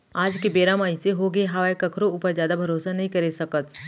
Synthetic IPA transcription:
aːd͡ʒkebeːɾaːmaːiseɦoːɡeɦɐʋaːjkɐkʰɾouːpəɾzjaːd̪abʱɐɾoːsanɐɦĩkɐɾesɐkət̪

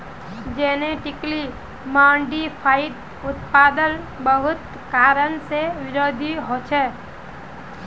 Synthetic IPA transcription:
d͡ʒɛːneʈɪkli | mãːɳɖipʰaːɪʈ̪ | ʊt̪paːd̪ən | bəɦʊt̪ | kaːɾənseʋɪɾoːd̪ʱiɦoːt͡ʃʰɛː

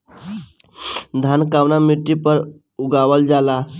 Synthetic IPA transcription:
d̪ʱankaʋnamiʈipəɾ | uɡaʋəld͡zala

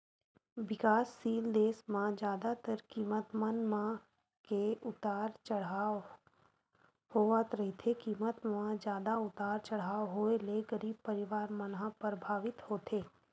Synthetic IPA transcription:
ʋɪkaːsːiːld̪eːsmãd͡ʒjaːd̪at̪əɾkiːmət̪mənmã | keʊt̪aːɾt͡ʃəɽa | hoːʋət̪ɾɐɦet̪ʰekiːmət̪mãd͡ʒjaːd̪aʊt̪aːɾt͡ʃɐɽ̤aːɦoeleɡəɾiːb̚pəɾɪʋaːɾmənɦãpəɾbʱaːʋɪt̪hoːt̪ʰeː

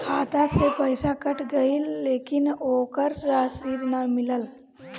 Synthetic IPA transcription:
kʰaːt̪asepəjsakəʈʰɡəilːeːkɪnoːkəɾːaːsiːɾnamɪləl

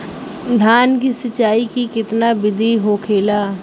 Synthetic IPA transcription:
d̪ʱaːnkisɐt͡ʃːaːikikɪt̪nabɪd̪ʱiɦoːkʰeːlaː

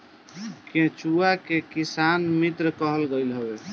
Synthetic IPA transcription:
kẽt͡ʃuakekisanmit̪ɾkəɦəlɡəɪlɦobe

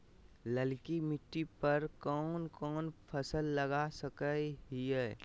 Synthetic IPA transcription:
ləlkimɪʈːipəɾkɔːnkɔːnpʰəsəlːɐɡasəkəɦiɛː

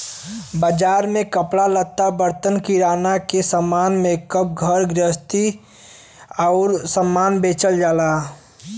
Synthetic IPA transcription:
bəd͡ʒaːɾmẽkəpɽalət̪ːabəɾt̪ənkiɾaːnakesəmaːnmẽkəp̚ɡʱəɾɡɾəst̪i | ɔːɾsəmːaːnbeːt͡ʃəld͡ʒaːlaː

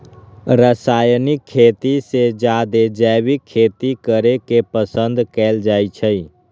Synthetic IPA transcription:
ɾəsaːjnɪkʰːeːt̪ised͡ʒad̪ed͡ʒɛwikʰːeːt̪ikəɾekepəsə̃nd̪kɛːld͡ʒaːit͡ʃʰəi

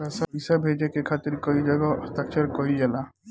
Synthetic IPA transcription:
ɛːsaisabʱed͡ʒekekʰaːt̪ɪɾkoid͡ʒɐɡast̪ək̚t͡ʃəɾkoid͡ʒɛla

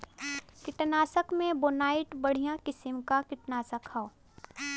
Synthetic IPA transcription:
kɪʈnaːsəkmẽbonaːɪʈbəɽ̤ijãkɪsɪmkakɪʈnaːsəkhao

